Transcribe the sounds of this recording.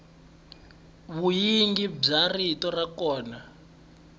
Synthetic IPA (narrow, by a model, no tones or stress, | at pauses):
βujiŋɡib͡ʐaritɔrakɔːna